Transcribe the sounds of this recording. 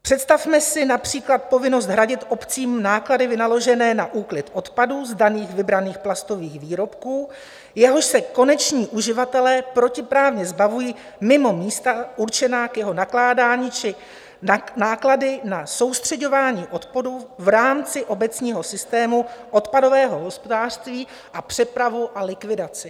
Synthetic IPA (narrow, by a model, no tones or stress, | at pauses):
pr̝̥ɛt̪st̪afmɛsɪnapr̝̥iːklat̪̚po̞vɪno̞st̪ɦɾaɟɪt̪ʔo̞pt͡siːmnaːkladɪvɪnalo̞ʒɛnɛːnaʔuːklɪt̪ʔo̞t̪paduːzdaniːxvɪbɾaniːxplast̪o̞viːxviːɾo̞pkuː | jɛɦo̞ʃsɛko̞nɛt͡ʃɲiːʔuʒɪvat̪ɛlɛːpɾo̞cɪpɾaːvɲɛzbavujiː | mɪmo̞miːst̪auɾt͡ʃɛnaːkjɛɦo̞naklaːdaːɲiːt͡ʃɪ | naːkladɪnaso̞wst̪r̝̥ɛɟo̞vaːɲiːʔo̞t̪poduvɾaːmt͡sɪʔo̞bɛt͡sɲiːɦo̞sɪst̪ɛːmuʔo̞t̪pado̞vɛːɦo̞ɦo̞spo̞daːr̥st̪viː | ʔapr̥ɛpɾavuʔalɪkvɪdat͡sɪ